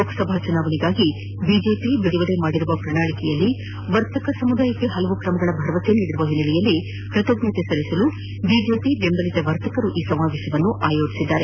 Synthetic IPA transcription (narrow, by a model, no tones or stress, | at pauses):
oksɐbʱat͡ʃunaːʋɐɳiɡaːɡi | bid͡ʒeːpibiɽiʋɐɽe̞maːɽiɾuʋɐpɾɐɳaːɭikɛjɐlːi | ʋɐɾt̪ɐkɐsɐmud̪aːjɐkːe̞ɦɐlɐʋukɾɐmɐɡɐɭɐbʱɐɾʋɐt̪enːiːɽiɾuʋɐɦinːɐlɛjɐlːi | pɾɐt̪oɡnɐt̪esɐlisɐlu | bid͡ʒe̞ːpibembɐlit̪ɐʋɐɾt̪ɐkɐɾuʔiːsɐmaːʋeːʃjɐʋɐnːuʔaːjo̞ːt͡ʃi̥sid̪ːaːɾe